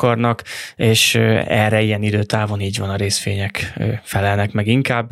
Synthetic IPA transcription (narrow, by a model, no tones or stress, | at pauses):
ɒrnɒkeːʃɛ̰rɛijɛnid̪øːt̪aːvo̞niːɟvɒnɒɾeːsfeːɲɛkːfɛlɛlnɛkmɛɡiŋkaːb